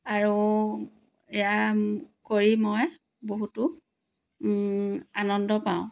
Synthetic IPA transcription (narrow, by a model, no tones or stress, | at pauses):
aɹu | ɛjakoɹimɔj | boɦutʊ | anɔndɔpãw̃